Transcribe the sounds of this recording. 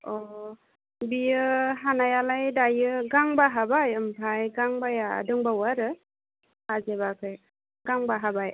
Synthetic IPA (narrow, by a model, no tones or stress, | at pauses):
ɔ | bijɯɦanajalajdajɯɡaŋbaɦabajɯmbʱajɡaŋbajaa̰dɯŋbawaɾɯ | azebakʰɯj | ɡaŋbaɦabaj